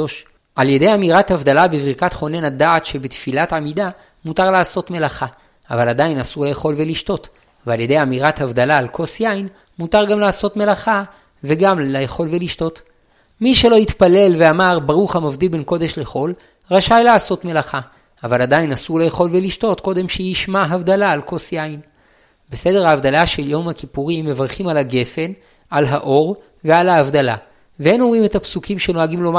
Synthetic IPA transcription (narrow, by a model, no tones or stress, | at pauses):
oʃ | ʔalje̞d̪e̞jamiʁat̪havd̪alabevʁikat̪χo̞nenadaːtʃe̞bet̪filatamida | mutaʁlaːso̞tme̞laχa | avaladainasuʁle̞eχo̞lveliʃto̞t | vealje̞de̞jamiʁathavd̪alaːlkʰo̞sjain | mutaʁɡamlaːso̞tme̞laχa | ve̞ɡamleeχo̞lveliʃto̞t | miʃe̞lo̞it̪pale̞lveamaʁbaʁuχhamavd̪ilbe̞nko̞d̪e̞ʃleχo̞l | ʁaʃajlaːso̞tme̞laχa | avalad̪ainasuʁlejeχo̞lveliʃto̞tko̞d̪e̞mʃejiʃmaɦavd̪alaːlko̞sjain | be̞se̞deʁaːvd̪alaʃe̞ljo̞mhakipuʁimːe̞vaʁχimalaɡe̞fe̞n | alɦaʔo̞ʁ | vealaːvdala̰ | vehenomʁime̞tapsukimʃeno̞aɡimlom